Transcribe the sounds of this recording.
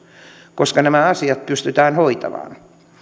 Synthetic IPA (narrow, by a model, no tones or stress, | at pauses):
koskɑnæmæɑsiɑt̪̚pyst̪yt̪æːnhoit̪ɑ̰ʋɑ̰ːn